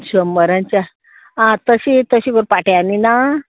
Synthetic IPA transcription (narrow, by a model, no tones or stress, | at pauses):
ɕəmːəɾãɲt͡ɕa | ãt̪əɕit̪əɕiɡoɾpaʈeanina